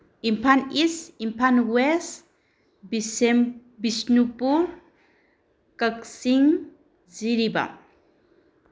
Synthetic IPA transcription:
impʰanisimpʰanwɛs | bisnupuɾ | kaksiŋ | ziɾiba̰

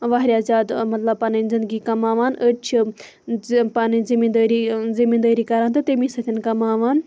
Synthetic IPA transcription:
ʋaːɦɾʲaːzaːd̪mɐt̪lɐb̚panizind̪ɡikɐmaːʋaːnət͡ʃʰi | paːnizimid̪əːɾizimind̪əːɾiːkaɾaːnt̪ɨt̪emĩsɐt̪ʰinkɐmaːʋaːn

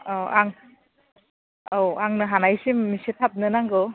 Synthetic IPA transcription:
ɔʔaŋ | owaŋnɯɦanajsimːisetʰap̚nɯnaŋɡɯ

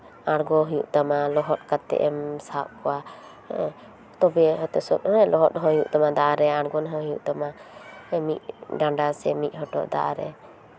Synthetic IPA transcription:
aɽɡɔɦujuʔt̪amalɔɦɔt̪̚kat̪ːɛ̰ʔɛmsaʔkɔwa | t̪ɔbɛɦɔt̪ɛsɔt̪̚ɛlɔɦɔt̪̚ɦɔjuʔt̪amad̪aʔaɾɛaɽɡɔnɦəɦujuʔt̪ama | mit̪̚ɖaɳɖasɛmit̪̚ˀɦɔʈɔ̰ʔd̪a̰ʔɾɛ̰

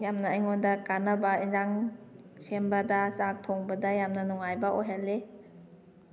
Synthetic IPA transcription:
jamnaajŋondɐkanɐbainzaŋ | sembadɐsak̚tʰɔŋbɐdajamnɐnɔŋajbaʔojɦalːe

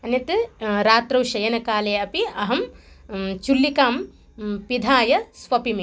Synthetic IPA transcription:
ɐnɐt̪ɨɾaːt̪ɾɐwʃɐjɐnɐkaːleːɐpiɐɦɐm | t͡ʃulːikaːm | pid̪ʱaːjɐsʋɐpimi

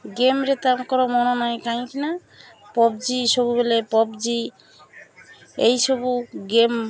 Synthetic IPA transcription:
ɡemɾet̪amkɔɾomɔnɔnɔjkaj̃kina | pɔbd͡ʒiʃobubelepɔbd͡ʒi | ejʃobuɡem

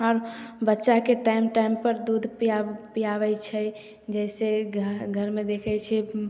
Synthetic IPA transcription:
ɔːɾbətːʃakeʈaɪmʈaɪmpəɾd̪ud̪ʱpiapijabɛjt͡ʃʰɛ | d͡ʒɛɪseɡʱəɾmed̪ekʰɛt͡ʃʰɛ

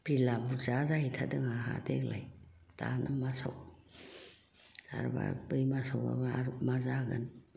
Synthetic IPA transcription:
pɾilabuzazahitʰadɯŋaɦa̰deklaj | tanʔamasaw | sa̰ɾba̰bɯjmasawa̰baaɾup̚mazaɡan

